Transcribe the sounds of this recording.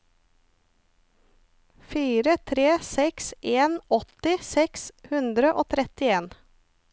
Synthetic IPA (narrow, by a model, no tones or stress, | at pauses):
fiːɾət̪ʰɾeːsɛksʔeːnɔt̪ɪsɛkshʉnd̪ɾəʔoːt̪ʰɾɛt̪ɪeːn